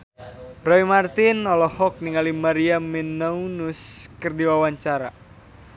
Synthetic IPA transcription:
rɔimart̪inɔlɔhɔk̚niŋalimaɾiaminaunuskɨrdiwawaɲt͡ʃaɾa

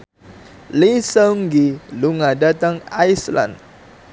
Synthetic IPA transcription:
lisaŋɡiluŋadat̪aŋajsla̰nd

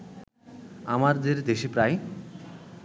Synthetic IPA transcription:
amaɾd̪eɾd̪eʃipɾaj

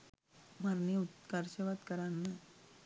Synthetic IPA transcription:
maɾneut̪kaɾɕəʋat̪kəɾanːa

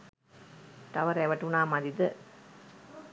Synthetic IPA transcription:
t̪ɐʋɐɾeʋɐʈunaːmɐd̪id̪ɨ

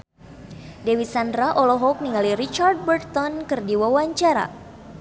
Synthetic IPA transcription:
dewit̪sandɾaʔɔlɔɦɔk̚niŋaliɾit͡ʃard̚bərt̪ɔnkɨrdiwawaɲt͡ʃaɾa̰

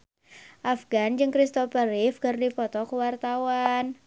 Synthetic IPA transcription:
ʔafɡand͡ʒɨŋkɾist̪ɔpəɾɪfkərdipɔt̪ɔkəwart̪awan

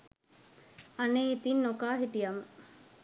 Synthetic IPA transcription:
aneit̪inːokaːɦiʈijamə

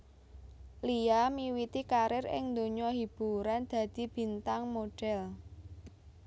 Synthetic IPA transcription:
liamiwit̪ikaɾɪrɪ̰ŋnd̪oɲɔɦib̥ṳɾand̪̥ä̤d̪̥i̤b̥i̤nt̪aŋmoɖ̥ɛl

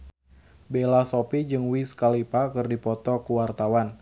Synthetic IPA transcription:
belasɔpid͡ʒɨŋwiskalipakɨrdipɔt̪ɔkuwart̪awan

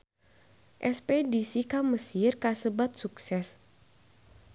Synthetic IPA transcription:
ʔɛspedisikaməsirkasəbat̪̚suksɛs

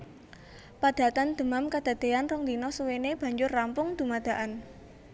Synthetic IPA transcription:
pad̪̥a̤t̪and̪̥ə̤mamkad̪̥a̤d̪̥eanrʊŋd̪inɔsuweneb̥ä̤ɲd͡ʒʊrːampʊŋd̪̥ṳmad̪̥a̤ʔan

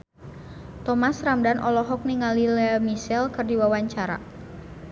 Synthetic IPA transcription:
t̪ɔmasramdanʔɔlɔɦɔk̚niŋalilɛmisɛlkɨrdiwawaɲt͡ʃaɾa̰

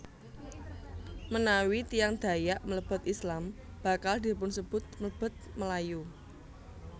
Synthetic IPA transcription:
mənawit̪ijaŋd̪̥a̤jaʔmələb̥ʊ̤t̪islam | b̥a̤kald̪̥i̤pʊnsəb̥ʊ̤t̪̚mələb̥ʊ̤t̪̚məlaju

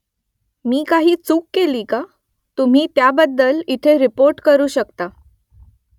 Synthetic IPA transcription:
miːkaɦiːt͡suːkːeliːka | t̪um̤iːt̪jabəd̪ːəlit̪ʰeɾipoɾʈkəɾuːɕəkt̪a

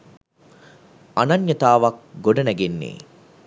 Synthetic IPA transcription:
ɐnɐɲjɐt̪aːʋɐk̚ɡoɖɐnæɡenːḛː

